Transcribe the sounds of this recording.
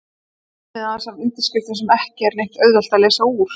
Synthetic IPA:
ðaðasamʏnt̪ɪɾ̥skɪft̪ɪns̬ʏmɛhcɪɛɾneht̪œððal̥t̪alɛːsauːɾ̥

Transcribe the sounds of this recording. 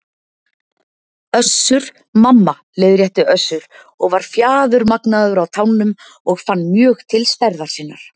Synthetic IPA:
œsːʏɾ̥ | mamːa | leːðʏɾjɛht̪ʏʔœsːʏɾ | ɔɣvaɾ̥fjaːðʏɾmaknaðʏɾawt̪ʰaːwnʏm | ɔɣfanːmjœːɣt̪ʰɪlspɛɾðaɾ̥siːnːaɾ̥

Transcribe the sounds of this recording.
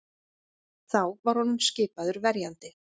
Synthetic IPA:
θawvaɾ̥hɔnʏmscɪːpaðʏɾvɛɾjant̪ɪ

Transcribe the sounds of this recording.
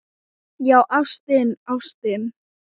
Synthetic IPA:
jaːwʔawst̪ɪnawst̪ɪn

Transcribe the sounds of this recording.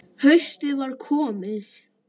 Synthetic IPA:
hœɥst̪ɪvaɾkʰɔːmɪθ

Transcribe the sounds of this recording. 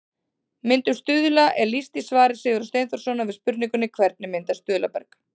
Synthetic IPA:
mɪnt̪ʏmst̪ʏːðʏlaʔɛɾlist̪isvaːɾɪsɪːɣʏɾast̪eːjnθɔɾ̥sɔnavɪðspʏɾt̪niŋkʏnːɪkʰvɛɾt̪̚nɪmɪnt̪ast̪ʏːðʏla̰pɛ̰ɾk

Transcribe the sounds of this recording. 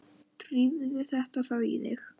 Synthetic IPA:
t̪ʰɾiðɪðɪθɛht̪aθavḭðɪ̰x

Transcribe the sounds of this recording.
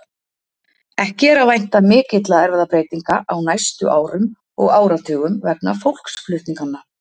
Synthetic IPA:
ɛhcɪɛɾawvajn̥t̪amɪːcɪt̪laɛɾvɛðapɾeːjt̪iŋkaʔawnajst̪ʏ̰ʔaːwɾʏm | ɔ̰ɣaːwɾat̪ʰʏːɣʏmvɛknafowl̥ksflʏht̪niŋkanːa

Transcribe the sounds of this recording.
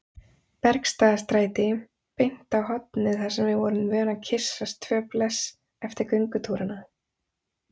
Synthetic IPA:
pɛɾkst̪aːðast̪ɾaːjt̪ɪ | pejn̥t̪awɦɔt̪nɪθasɛmvɪvɔɾʏnvɛːnacʰɪsast̪ʰvœːplɛs | ɛft̪ɪɾkœɥŋkʏt̪ʰuːɾɪnːa

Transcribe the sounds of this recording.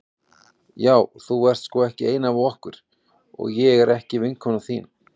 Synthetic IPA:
jaːwθuɛr̥t̪skɔːɛhcɪeːjnavaɔhkʏɾ̥ | ɔ̰ɣjɛɣɛɾɛhcɪvɪnkʰɔnaθiːn

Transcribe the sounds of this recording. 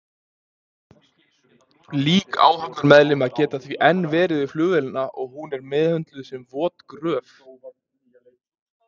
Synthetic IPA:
liːka̰ːwhakaɾmɛðlɪmaðcɛːt̪aθviʔɛnːvɛːɾɪðʏflʏːvɪlnaʔɔɣhunɛɾmɛːðhœnt̪lʏsɛmvɔːt̪kɾœːf

